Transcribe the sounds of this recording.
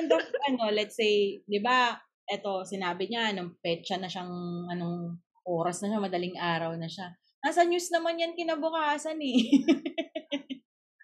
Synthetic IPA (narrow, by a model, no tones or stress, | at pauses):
ɐnd̪oɐno̞lɛt̪̚sejd̪ɪba | ʔɛt̪o̞sɪnaːbɪɲaʔɐnopɛt͡ʃɐnɐʃaŋʔɐnoŋ | ʔoːɾɐsnɐʃamɐd̪ɐlɪŋʔaːɾɐwnɐʃa | nasɐɲusnɐmanjɐnkɪnaːbʊkaːsɐnɛ